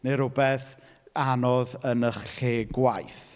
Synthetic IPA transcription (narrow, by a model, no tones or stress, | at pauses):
neɾʊbɛθ | anɔðənəχɬeːɡwajθ